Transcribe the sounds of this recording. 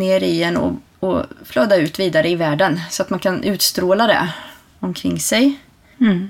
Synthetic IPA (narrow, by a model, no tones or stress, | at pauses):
neːɾɪɛnɔ̰ | ɔfløːd̪ːaʉ̟ːt̪viːd̪aɾəɪvæːɖənsɔat̪mankʰanʔʉ̟ːt̪st̪ɾoːlad̪ɛ̰ | ɔmkʰɾɪŋːsɛj